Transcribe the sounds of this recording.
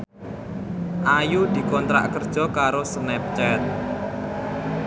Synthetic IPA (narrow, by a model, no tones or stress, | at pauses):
ʔajud̪̥i̤kɔnt̪ɾa̰ʔkərd̥ʒ̥ɔ̤kaɾosnɛp̚t͡ʃɛt̪̚